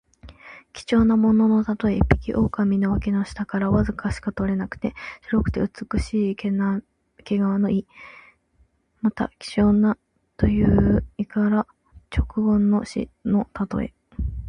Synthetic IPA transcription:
kʲi̥t͡ɕo̞ːnamo̞no̞no̞t̪at̪o̞epʲːi̥kʲiʔo̞ːkamʲino̞βakʲinoɕi̥t̪akaɾaβazɨkaɕi̥kat̪o̞ɾe̞nakɯ̟̥t̪e̞ɕiɾo̞kɯ̟̥t̪e̞ɯ̟t͡sɨ̥kɯ̟ɕiːkena | keɡaβano̞ʔi | mat̪a̰kʲi̥t͡ɕo̞ːna | t̪o̞jɯ̟ːikaɾa | t͡ɕo̞kɯ̟ɡõ̞nːo̞ɕḭno̞t̪at̪o̞̰ḛ

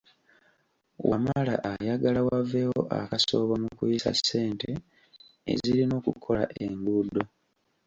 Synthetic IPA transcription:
wʔamala̰ʔajaɡalawavːe̞wo̞ʔa̰kaso̞ːβamukujisa̰sːe̞ːnte̞ | ḛziɾino̞ːkukʰo̞la̰ʔeŋɡuːdo̞

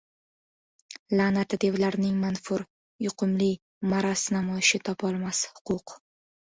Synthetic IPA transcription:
lanat̪ʰɪd̪e̞wlaɾnɪŋmanfʊɾ | jʊqʰʊmlɪ | maɾasnamɒjɪʃɪt̪ʰɒpʰɒlˠmashʊ̥qʰʊq

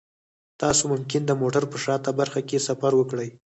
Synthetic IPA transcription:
t̪ɑsomʊmkɪnd̪əmoʈaɾpəʂɑt̪abaɾxakesafaɾwəkɽəj

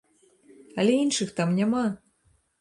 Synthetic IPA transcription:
ɐlʲɛinʂɨxt̪amnʲama

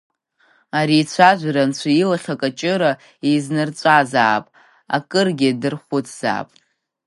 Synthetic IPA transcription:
aɾiːt͡ɕʷʰaʒʷɾant͡ɕʷʰailaχʲakʼat͡ʃʼɨɾa | iznɨrt͡sʷʼazaːpʼ | a̰kʼɨrɡʲidɨrχʷʊtʰz̥a̰ːpʼ

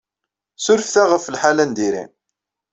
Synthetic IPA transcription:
sʊɾfθæʁəfəlħalænd̪iɾḭn

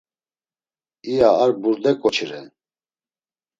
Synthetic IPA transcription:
ijaːɾbuɾd̪ɛkʼɔt͡ʃʰiɾɛ

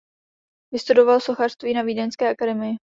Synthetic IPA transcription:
vɪst̪udo̞valso̞xar̥st̪viːnaviːdɛnskɛːʔakadɛmɪjɪ

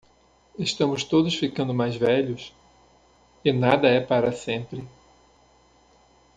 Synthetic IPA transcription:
eʃt̪ɐ̃mʊst̪od̪ʊsfikɐ̃nd̪ʊmajzvɛʎʊs | ɪnad̪ɐɛpaɾɐsẽmpɾɪ

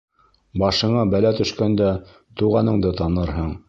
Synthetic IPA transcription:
bɑʃɤ̆ɴɑbælæt̪ɵ̆ʃkænd̪æ | t̪uʁɑnɤ̆ɴd̪ɤt̪ɑnɤɾɦɤɴ

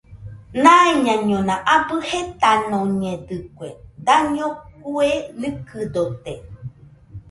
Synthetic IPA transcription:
nãiɲãɲõnãʔabɨhet̪anõɲẽd̪ɨkʷḛd̪aɲõkuelɨkɨd̪ot̪e

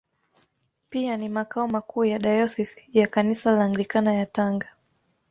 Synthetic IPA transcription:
pianimakaɔmakʰuːjaɗajɔsisjakanisalaŋɡlikanajataŋɡa

